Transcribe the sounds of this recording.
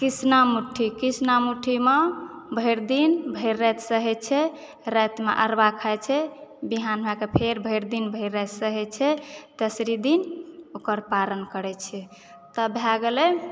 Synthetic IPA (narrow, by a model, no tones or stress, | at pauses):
kisnamuʈʰːikisnamuʈʰimebʱəjɾd̪inbʱəɪɾːɛt̪səɦɛt͡ʃʰɛ | ɾət̪meʔə̰ɾbakʰəjt͡ʃʰɛbiɦanbʱakepʰeɾbʱəjɾd̪inbʱəiɾːɛt̪səɦɛt͡ʃʰɛt̪esɾid̪inokəɾpalənkəɾɛt͡ʃʰɛ | t̪əbʱjaɡelɛ